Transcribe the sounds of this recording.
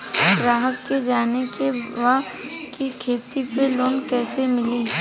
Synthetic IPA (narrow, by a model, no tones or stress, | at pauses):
bɾaːɦəkːed͡ʒaːnekeʋaː | kikʰeːt̪ipeloːnkɛːsemɪliː